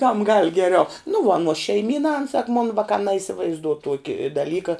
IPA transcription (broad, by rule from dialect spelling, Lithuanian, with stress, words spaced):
kɐm ɡɐlˠ ɡʲɛˈrʲɛʊ nʊ ʋuɔ ɐˈnuɔs ʃʲɛɪˈmʲiːnɐ ɐn sɐk moːn ˈʋɑːkɑː nɐɪsʲɪʋɐɪzˈduɔ ˈtuɔkʲɪ dɐˈlʲiːkɐ